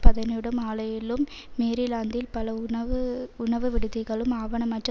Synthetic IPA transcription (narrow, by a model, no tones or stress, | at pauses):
pɐðɐnɪɽɯmaːɭɐjɪlɯmː | eːɾɪlaːnd̪ɪlpɐlɐɐʋɯʊɳɐʋɯʋɪɽɯðɪɣɐɭɯmaːʋɐɳɐmɐʈr